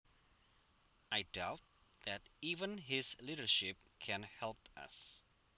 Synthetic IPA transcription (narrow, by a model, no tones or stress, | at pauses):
ʔaɪdaʊt̚ðætivə̃nɦɪzliɾə˞ʃɪp̚kʰɛ̃nhɛlˠpʌ̰s